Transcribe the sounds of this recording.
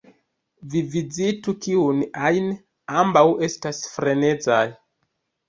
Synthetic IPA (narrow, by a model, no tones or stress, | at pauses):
vivizitukiunajn | ambawe̞stasfɾe̞ne̞d͡zaj